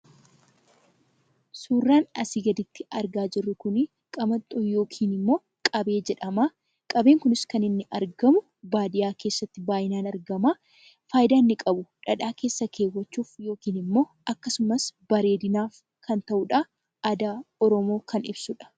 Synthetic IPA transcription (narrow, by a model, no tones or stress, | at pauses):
suːrːaːnɐsɪɡɐd̪ɪt̪ːɪɐɾɡaːd͡ʒɪrːʊkʊnɪ | kʼɐmɐt̪ʼːɔːjo̞ːkʰiːnɪmːo̞ː | kʼɐbe̞ːd͡ʒɛᶑɐmaː | kʼɐbe̞ːŋkʊnɪskɐnɪnːɪʔɐɾɡɐmʊ | baːd̪ɪjaːke̞ːsːɐt̪ːɪbaːjɪnaːnɐɾɡɐmaː | faːjd̪aːnːɪkʼɐbʊᶑɐᶑaːke̞ːsːɐkʰe̞ːwːɐt͡ʃːuːfjo̞ːkiːnɪmːo̞ː | ɐkːɐsʊmɐsbɐɾe̞ːd̪ɪnaːf | kɐnt̪ɐʔʊᶑa | ɐd̪aːɔɾɔmo̞ːkʰɐnɪbsʊᶑɐ̥